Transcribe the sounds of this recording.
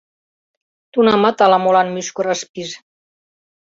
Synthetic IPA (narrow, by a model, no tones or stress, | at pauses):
t̪unamat̪alamolanmyskoraspis